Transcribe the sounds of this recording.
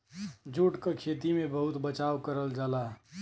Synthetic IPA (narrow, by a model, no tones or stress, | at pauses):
d͡ʒuʈkəkʰet̪imebəɦut̪bət͡ʃakəɾəld͡ʒaːla